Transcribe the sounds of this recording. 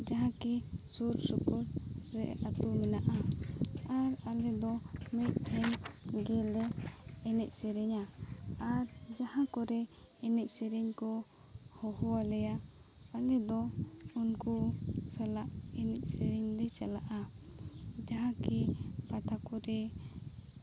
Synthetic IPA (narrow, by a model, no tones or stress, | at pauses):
d͡ʒaɦãkisuɾsɔkɔɾɾɛ̰at̪umɛnaʔa | aɾalɛd̪ɔmɛt̪̚ˀhʰɛnɡɛlɛː | nɛc̚sɛɾɛɲaː | ɾ | d͡ʒahãkɔɾɛ | ɛnɛc̚sɛɾɛɲkɔ | hɔhɔalɛja | alɛd̪ɔ | unkusalaʔɛnɛc̚sɛɾɛɲd̪ɛt͡ʃalaʔa | d͡ʒaɦãkipat̪akɔɾɛ